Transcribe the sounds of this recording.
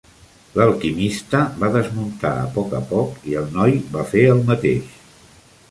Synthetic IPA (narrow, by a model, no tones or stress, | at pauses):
ləlˠkimist̪əβaðəzmunt̪a̰ə̰pɔkəpɔkiəlˠnɔjbafeəlˠmət̪ḛʃ